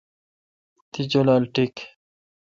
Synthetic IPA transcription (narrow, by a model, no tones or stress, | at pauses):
t̪id͡ʑolalʈik